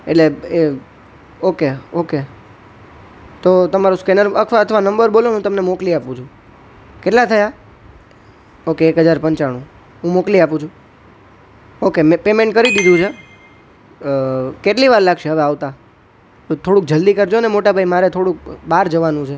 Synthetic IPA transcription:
eʈlee | okeoke | t̪ot̪əmaɾũskɛnəɾək̪ʰʋaət̪ʰʋanəmbəɾboloũt̪əmnemokliapũt͡ʃʰũ | keʈlat̪ʰəja | okeːkɦəd͡ʒaɾpəɲt͡ʃaɽ̃ũ | ɦũmokliapũt͡ʃʰũ | okemepemeɳʈkəɾid̪id̪ʱũt͡ʃʰe | keʈliʋaɾlaɡʃeɦəʋeaʋt̪a | t̪ot̪ʰoɽũk̚d͡ʒəld̪ikəɾd͡ʒonemoʈabʱaimaɾet̪ʰoɽũk̚baɾd͡ʒəʋanũt͡ʃʰe

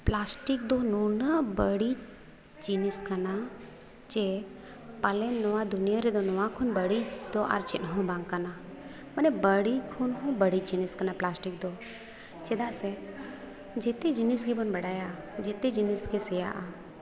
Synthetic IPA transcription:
plaːsʈik̚d̪onunəbəɽi | d͡ʒiniskəna | d͡ʒe | palɛnːɔʋad̪ʊnijaɾed̪onɔʋãkʰunbəɽid̪oʔa̰ɾt͡ʃɪnɦõbãŋɡkəna | mənebəɽikʰunɦũbəɽit͡ʃd͡ʒiniskənaplaːsʈik̚d̪o | t͡ʃed̪asɛ | d͡ʒet̪ed͡ʒiniskʰebənbəɽaːja | d͡ʒet̪ed͡ʒiniskesɛja̰ʔa

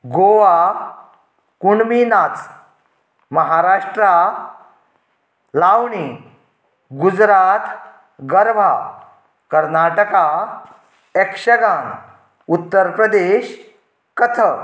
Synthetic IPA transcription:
ɡoʋa | kuɳminat͡s | məɦaɾaʂʈɾa | lawɳi | ɡud͡zɾat̪ | ɡəɾʋʱa | kəɾnaʈəka | ekʂəɡãŋ | ut̪ːəɾpɾəd̪eɕ | kət̪ʰə

